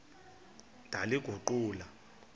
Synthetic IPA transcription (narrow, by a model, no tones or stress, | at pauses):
dʱaliɡ̥ʱuǃuːla